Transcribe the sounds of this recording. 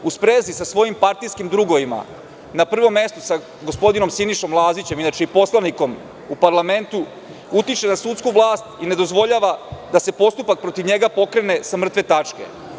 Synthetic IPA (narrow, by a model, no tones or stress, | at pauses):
uspɾeːzisasʋo̞jimpaɾt̪ijskimd̪ɾuɡo̞ʋima̰ | napr̩ʋo̞mːe̞st̪osa | ɡospo̞d̪ino̞msiniʃo̞mlˠaːzit͡ɕe̞minat͡ʃeipo̞slˠaniko̞m | upaɾlˠame̞nt̪u | ut̪it͡ʃe̞nasut̪skuʋlˠaːst̪ine̞d̪o̞zʋo̞ʎaːʋad̪ase̞po̞st̪upak̚pɾo̞t̪iʋɲe̞ɡapo̞kɾe̞ne̞samr̩t̪ʋe̞t̪at͡ʃke̞̰